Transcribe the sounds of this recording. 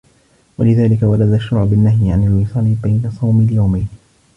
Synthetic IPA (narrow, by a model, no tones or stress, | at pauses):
walɪðaːlɪkawalad̪aʃːʊɾʕʊbɪnːaɦjʕanalwɪsˤɑːlɪbajnasˤɑwmɪljawmajn